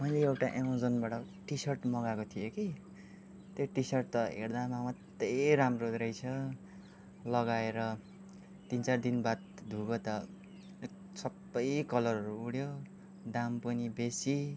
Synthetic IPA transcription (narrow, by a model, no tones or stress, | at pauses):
mʌjleewʈaʔeãd͡zʌnbaʈʌ | ʈisʌrʈmʌɡakot̪ʰijoki | t̪joʈisʌrʈ̚t̪ʌɦḛɽd̪amamʌt̪ːeɾamroɾʌjt͡sʰʌ | lʌɡaeɾʌ | t̪int͡sard̪inbat̪̚d̪ʱuɡʌt̪ʌ | ek | sʌbːʌjkʌlʌrʌɾuːɽjo | d̪ampʌnibesi